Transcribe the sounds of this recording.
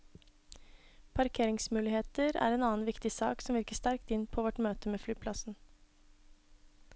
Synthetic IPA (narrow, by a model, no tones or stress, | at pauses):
pʰɑɾkʰeːɾɪŋsmʉːlɪheːt̪əɾæ̰ːɾeːnɑːn̩ʋɪkt̪ɪsɑ̰ːksɔmʋɪɾkəst̪æɾkt̪ɪnpʰoːʋɔʈmøːt̪əmeːflyːpʰlɑsn̩